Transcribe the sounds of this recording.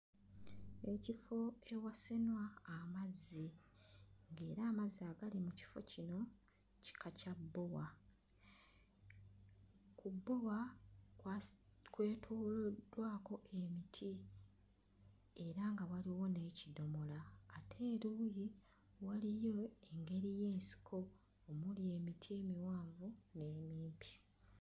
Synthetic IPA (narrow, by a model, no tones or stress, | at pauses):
e̞cifo̞e̞wasenwaːmazːi | ŋɡe̞ːɾaːmaziaɡalimuci̥fo̞̰cino̞ | ci̥kʰacabːo̞wa | kubːo̞wa | kwe̞ːtʰuːldwaːko̞ʔe̞mitʰi | e̞ɾaŋɡawaliwo̞ne̞cido̞molaːtʰe̞ːɾuːji | walijo̞eŋɡe̞ɾije̞ːnsi̥kʰo̞ː | mulie̞ːmitʰie̞miwaːɱvune̞ːmiːmpʰi̥